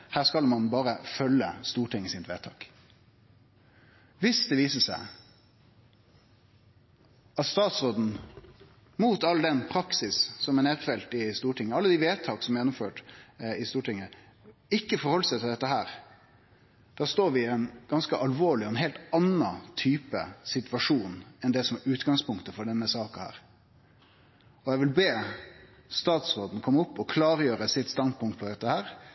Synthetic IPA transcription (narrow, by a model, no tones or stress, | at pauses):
hæːskɑlmɑnbɑːɾəfœlːə̰st̪uːʈɪŋːəsɪt̪ʋeːt̪ʰɑ̰ːk | ʋɪsd̪ɛʋiːsəsæ̰ɪ | ɑt̪st̪ɑːt̪sʁoːd̪n̩ | muːt̪ɑld̪ɛnpʰɾɑksɪssɔmɛneːt̪fɛlt̪ɪst̪uːʈʰɪŋːəɑlːəd̪ɪʋeːt̪ʰɑːksɔmjɛnːɔmføːʈɪst̪uːʈɪŋːə | ɪkːəfɔɾhɔlːəsæɪt̪ʰɪld̪ɛt̪ːəɦæːɾ | d̪̥æːst̪oːɾʋɪɛnɡ̥ɑnskəʔɑlʋoːɭɪɔɛnɦeːlt̪ɑnːɑt̪ʰyːpə̰sɪt̪ʋɑʂuːnɛnd̪ɛsɔmɛɾʉːt̪ɡɑŋspʊŋkt̪əfɔɖɛnːəsɑːkɑhæ̰ːɾ | ɔjɛɡʋɪlbeː | st̪ɑːt̪sɾoːd̪n̩kʰɔmːʊpːɔkʰlɑːɾəjøːɾəsɪt̪st̪ɑnd̪̚pʰʊŋt̪̚pʰɔd̪ɛt̪ːəhæːɾ